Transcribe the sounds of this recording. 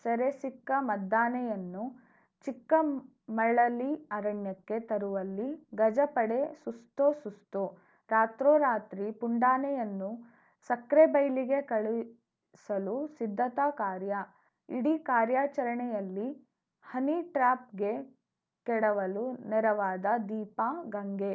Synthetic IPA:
sɐɾesikːɐmɐd̪ʱːaːnɛjɐnːu | t͡ʃikːɐ | mɐɭɐlːiɐɾɐɳjɐkːe̞t̪ɐɾuʋɐlːiɡɐd͡ʒɐpɐɽesust̪osust̪o | ɾaːt̪ɾoːɾaːt̪ɾipuɳɖaːnɛjɐnːu | sɐkɾebɐjliɡe̞kɐɭi | sɐlusid̪ʱːɐt̪aːkaːɾja | iɽikaːɾjaːt͡ʃɐɾɐɳɛjɐlːi | hɐniʈɾaːp̚ɡe̞ | kɛɽɐʋɐlunɛɾɐʋaːd̪ɐd̪iːpaɡɐŋɡe

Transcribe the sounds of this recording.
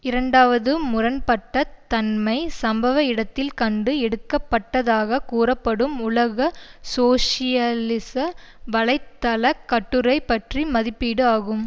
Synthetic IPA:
ɪɾɐɳɖaːʋɐðɯmʊrɐnpɐʈːɐt̪ɐnmɐɪsɐmbɐʋɐɪɽɐt̪ːɪlkɐɳɖɯɛɽɯkːɐpːɐʈːɐðaːɣɐkuːrɐpːɐɽɯmʊlɐɣɐsoːʂɪjɐlɪsɐʋɐɭɐɪt̪ːɐlɐkːɐʈːɯɾɐɪpːɐʈrimɐðɪpːiːɽɯaːɣɯm

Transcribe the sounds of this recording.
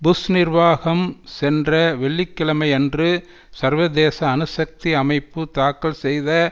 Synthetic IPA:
bʊsnɪɾʋaːɣɐmsɛndrɐʋɛɭːɪkːɪɭɐmɐɪɛndrɯ | sɐɾʋɐd̪eːsɐːnɯsɐk̚t̪iɐmɐɪpːɯt̪aːkːɐɭsɛjðɐ

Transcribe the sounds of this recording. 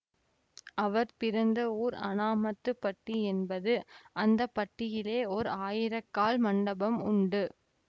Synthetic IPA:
ʔɐʋɐɾpɪɾɐnd̪ɐuːɾɐ̰naːmɐt̪ːɯpːɐʈːiɛnbɐðɯʔɐnd̪ɐpːɐʈːɪjɪleːɔɾaːjɪɾɐkːaːlmɐɳɖɐbɐmʊɳɖɯ

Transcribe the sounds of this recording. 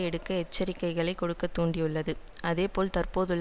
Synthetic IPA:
ɛɽɯkːɐɛt͡ʃːɐɾɪkːɐɪɣɐɭɐɪkːɔɽɯkːɐt̪ːuːɳɖijʊɭːɐðɯʔɐðeːpoːlt̪ɐrpoːðɯɭː

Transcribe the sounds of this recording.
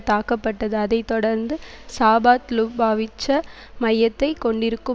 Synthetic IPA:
t̪aːkɐpːɐʈːɐðɯɐðɐɪt̪ːɔɽɐɾnd̪ɯsaːbaːt̪lubaːʋɪt͡ʃːɐ | mɐjːɐt̪ːɐɪkːɔɳɖɪɾɯkːɯ

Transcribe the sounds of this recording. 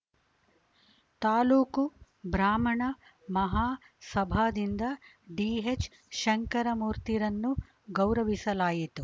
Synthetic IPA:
t̪aːluːku | bɾaːmɐɳɐ | mɐɦaː | sɐbʱaːd̪ind̪ɐ | ɖiːɦet͡ʃ | ʃɐŋkɐɾɐmuːɾt̪iɾɐnːu | ɡɐwɾɐʋisɐlaːjit̪u

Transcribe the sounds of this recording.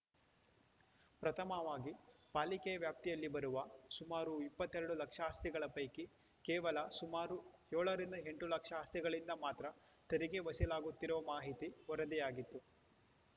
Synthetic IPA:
pɾɐt̪ʰɐmɐʋaːɡipaːlikɛjɐʋjaːp̚t̪ijɐlːibɐɾuʋɐsumaːɾuipːɐt̪ːeɾɐɽulɐkʂaːst̪iɡɐɭɐpɐjki | kɛːʋɐlɐsumaːɾujoːɭɐɾind̪ɐɦe̞ɳʈulɐkʂɐːst̪iɡɐɭind̪ɐmaːt̪ɾɐ | t̪eɾiɡe̞ʋɐsilaːɡut̪ːiɾuʋɐmaːɦit̪iɔɾɐd̪ijaːɡit̪ːu

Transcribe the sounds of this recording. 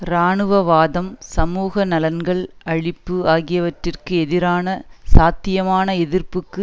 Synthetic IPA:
ɾaːɳɯʋɐʋaːðɐmsɐmuːɣɐnɐlɐnɡɐɭɐɻɪpːɯaːɣɪjɐʋɐʈrɪrkɯɛðɪɾaːnɐsaːt̪ːɪjɐmaːnɐɛðɪrpɯkːɯ

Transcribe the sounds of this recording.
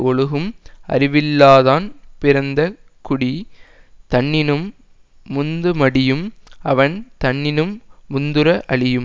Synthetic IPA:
ɔɭɯɣɯmɐ̰ɾɪʋɪlːaːðaːnpɪɾɐnd̪ɐ | kʊɽi | t̪ɐɳːɪnɯmː | ʊnd̪ɯmɐɽɪjɯmɐʋɐnt̪ɐɳːɪnɯmːʊnd̪ɯɾɐʔɐɭɪjɯm

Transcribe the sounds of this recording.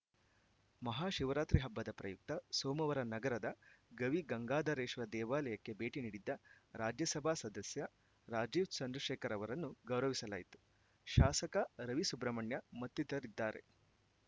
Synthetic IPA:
mɐɦaːʃiʋɐɾaːt̪ɾiɦɐbːɐd̪ɐpɾɐjuk̚t̪ɐsoːmɐʋɐɾɐnɐɡɐɾɐd̪ɐɡɐʋiɡɐŋɡaːd̪ɐɾeːʃʋɐd̪ɛːʋaːlɐjɐkːe̞beːʈiniːɽid̪ːɐɾaːd͡ʒjɐsɐbʱaːsɐd̪ɐsjɐ | ɾaːd͡ʒiːʋt͡ʃɐnd̪ɾɐʂeːkɐɾɐʋɐɾɐnːuɡɐwɾɐʋisɐla̰ːjit̪u̥ | ʃaːsɐkɐɾɐʋisubɾɐmɐɳjɐmɐt̪ːit̪ɐɾid̪ːaːɾe̞̰

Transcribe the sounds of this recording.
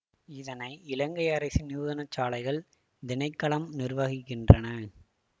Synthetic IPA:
ɪðɐnɐɪɪlɐŋɡɐɪɐɾɐɪsinɪuðɐnɐt͡ʃːaːlɐɪɣɐɭ | d̪ɪnɐɪkːɐɭɐmnɪrʋɐɣɪkːɪndrɐnɐ

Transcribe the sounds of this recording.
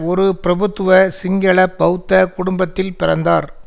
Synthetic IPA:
ɔɾɯpɪɾɐbɯt̪ːɯʋɐsɪŋɡɐɭɐpɐt̪ːɐkʊɽʊmbɐt̪ːɪlpɪɾɐnd̪aːɾ

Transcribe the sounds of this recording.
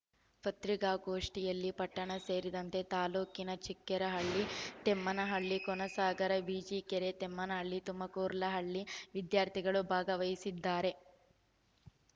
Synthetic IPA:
pɐt̪ɾiɡaːɡoːʂʈijɐlːipɐʈːɐɳɐse̞ːɾid̪ɐnt̪e̞t̪aːloːkinɐt͡ʃikːɛɾɐɦɐɭːit̪emːɐnɐɦɐɭːikɔnɐsaːɡɐɾɐbiːd͡ʒikɛɾet̪emːɐnɐɦɐɭːit̪umːɐkoːɾlɐɦɐɭːiʋid̪jaːɾt̪ʰiɡɐɭubʱaːɡɐʋɐjisid̪ːaːɾe̞

